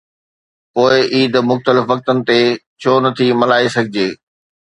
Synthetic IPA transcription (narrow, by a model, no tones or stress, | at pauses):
poːɪʔiːd̪mʊxt̪əlɪfʋɐk̚t̪ənɪ̆t̪et͡ɕʰoːnɐt̪ʰimɐlaːisɐɡʱɪd͡ʑeː